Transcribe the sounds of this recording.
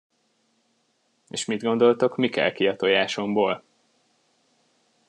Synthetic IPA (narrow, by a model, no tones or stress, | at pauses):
eːʃmid̪ɡo̞nd̪o̞lt̪o̞kmikɛ̰lkiɒt̪ojaːʃo̞mboːl